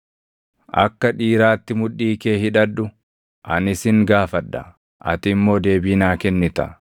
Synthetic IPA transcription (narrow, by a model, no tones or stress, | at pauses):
ʔɐ̰kːɐᶑiːɾaːt̪ːɪmʊᶑːiːkeːhɪᶑɐᶑːʊ | ʔɐnɪsɪŋɡaːfɐᶑːɐ̰ | ʔɐ̰t̪ɪmːo̞ːd̪e̞ːbiːnaːkɛnːɪt̪ɐ̰